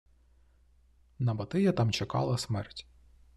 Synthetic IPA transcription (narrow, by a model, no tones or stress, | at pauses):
nɐbɐt̪ɪjɐt̪ɑmt͡ʃɐkɑ̰lˠɐsmɛrtʲ